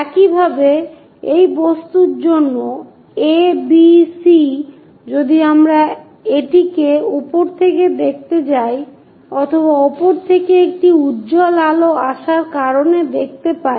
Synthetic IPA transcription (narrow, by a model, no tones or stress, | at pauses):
ɛkibʱabe | ejbost̪uɾd͡ʑonːo | ebisi | d͡ʑod̪iamɾa | eʈikeupoɾt̪ʰeked̪ek̚ʰt̪et͡ɕaj | ɔt̪ʰoβaɔpoɾt̪ʰekeek̚ʈiudd͡ʑolaloaʃaɾkaɾoned̪ek̚ʰt̪epaj